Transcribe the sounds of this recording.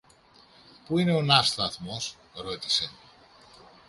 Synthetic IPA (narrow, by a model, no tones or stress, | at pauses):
puine̞o̞nɐst̪ɐθmo̞s | ɾo̞t̪i̥se̞